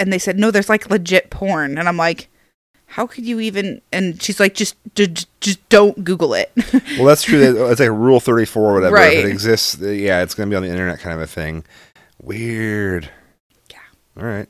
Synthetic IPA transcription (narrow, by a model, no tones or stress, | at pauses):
ɨ̃nðeɪsɛdⁿnoʊðə˞zlaɪkʰlɨd͡ʒɪt̚pʰɔɹnɨ̃nãɪ̃mlaɪk | haʊkʰɨdjɨivɨ̃nɨ̃nʃizlaɪk̚d̥ʒ̥ʌsd̥ʌd̥ʒ̥ʌsd̥õʊ̃nɡ̥uɡl̩ˠɪ̰t̚wɛlˠðætstʰɹ̥ʉðɨɨtslaɪkɹulˠθɜ˞ɾifɔɹəwʌɾɛɹə˞ɪtʌɾɨɡzɪstsjæɨtsɡ̥ʌnəbiɨ̃nðiɪ̃ñə˞nɛ̰t̚kʰãɪ̃nʌnʌ̥θɪ̰̃ŋ | wɪɹd̥ | jæ | ɑ̰ɹaɪt̚